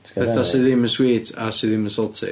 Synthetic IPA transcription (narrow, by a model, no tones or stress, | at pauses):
pʰɛθasɪðɪməswiːtʰa̰siðɪməsɔlˠtʰɪ̰